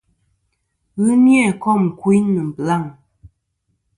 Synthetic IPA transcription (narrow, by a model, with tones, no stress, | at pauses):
ɣɨ˦njɛ˦˨kɔ˦˨m˨kwi˦nə˨m̩˨bla˦˨ŋ